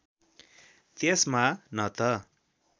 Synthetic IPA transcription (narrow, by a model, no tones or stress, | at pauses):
t̪esmanʌt̪ʌ